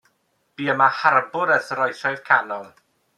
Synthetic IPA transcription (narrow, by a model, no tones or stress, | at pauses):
b̥iːəmaharbʊɾəθəɾɔjθɔjðkʰanɔŋ